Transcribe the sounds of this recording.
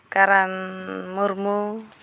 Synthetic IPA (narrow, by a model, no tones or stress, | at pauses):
kaɾanmurmu